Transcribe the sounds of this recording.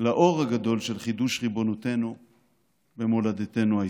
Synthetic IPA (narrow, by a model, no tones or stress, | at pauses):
laʔo̞ʁhaɡad̪o̞lʃelχid̪uʃʁibo̞not̪e̞nu | be̞molad̪et̪e̞nua